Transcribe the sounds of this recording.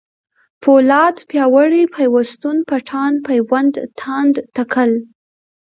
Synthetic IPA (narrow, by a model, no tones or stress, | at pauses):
pʰolɑt̪pjɑwəɽipʰajwast̪unpaʈʰɑnpajwand̪t̪ʰand̪t̪akʰəl